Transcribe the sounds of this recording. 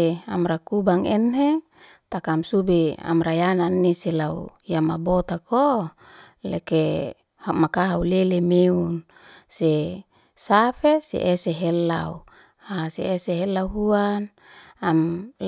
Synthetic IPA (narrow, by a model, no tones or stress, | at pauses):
amɾakubaŋɛnɦe | t̪akamsubea̰mɾajananːiselaujamabot̪ako | lḛke | hmakaɦaulelemeun | se | safesḛʔeseɦelːau | aseeseɦelauɦuan | am